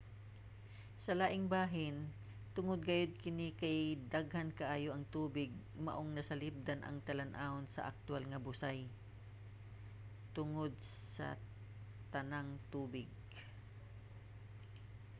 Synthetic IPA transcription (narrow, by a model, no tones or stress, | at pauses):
sɐlaːʔɪŋbaːɦɪn | t̪ʊŋod̪̚ɡɐjod̪̚kɪnɪkajd̪aɡhɐnkɐʔaːjoʔɐŋt̪uːbɪɡ̚ | mɐ̰ʔoŋnɐsɐlɪp̚d̪anʔɐ̰ŋt̪ɐlɐnʔaːonsɐ̰ʔɐ̰k̚t̪ʊalŋɐbʊsaj | t̪ʊŋod̪̚ssɐ̰ | t̪ɐnaŋt̪uːbɪɡ̚